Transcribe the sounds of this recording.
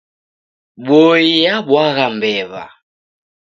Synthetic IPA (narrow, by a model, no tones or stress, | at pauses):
boijabwaɣambɛβa̰